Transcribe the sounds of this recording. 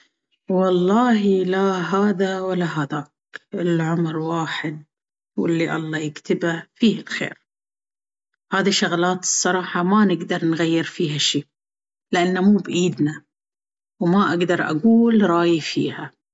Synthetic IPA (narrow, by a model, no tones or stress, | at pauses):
wɑlˤːɑːɦilaɦaːðawalːaɦad̪aːkʔɪlʕʊmɾwaːħɪd̪̚ | wɪ̰lːiʔɑ̰lˤːɑːjɪkt̪ɪbafiːhɪlxḛːɾ | haːðiʃːaɣlaːt̪ɨ̥sˤːɑɾˤɑːħɑmanɪɡd̪ɑɾˤnɣajːɪɾfiːɦaʃiː | lɪʔanːamuːbʔiːd̪na | wmaʔaɡd̪ɑɾˤʔa̰ɡuːlɾˤɑːjifḭːha